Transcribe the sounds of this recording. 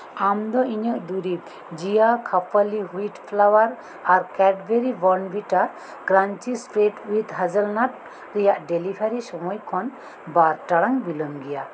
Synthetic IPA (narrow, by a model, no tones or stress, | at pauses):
amd̪ɔʔiɲəʔd̪uɾip̚ | d͡ʒijakʰapʰaliɦuiʈpʰlawaɾ | aɾkɛɖbʱeɾibɔɾnbiʈaɾ | ɡɾant͡ʃisʈɾeʈuid̪ɦad͡ʒəlnat̚ | ɾɛjaʔɖelipʰaɾisɔmɔjkʰɔn | baɾʈaɽaŋbilɔŋɡija